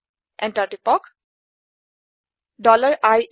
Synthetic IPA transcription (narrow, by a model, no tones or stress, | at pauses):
ʔɛ̃ntaʈipɔk | ɖɔləɹaj